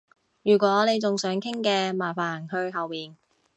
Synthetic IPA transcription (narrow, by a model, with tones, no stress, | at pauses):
jyː˨˩kʷɔː˨˥ne˨˧jt͡sʊ˨ŋsœː˨˥ŋkʰɪ˥ŋkɛː˧maː˨˩faː˨˩nhɵ˧ɥɦɐ˨wmiː˨n